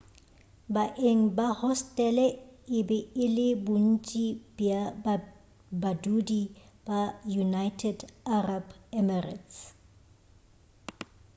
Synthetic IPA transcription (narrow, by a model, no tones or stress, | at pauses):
baʔeŋ̩bahɔstʼɛlɛɪbɛɪlɪbʊn̩t͡ʃʼibjab | badudi | b̥ajunajtʰɛdarabɛmɛra̰ts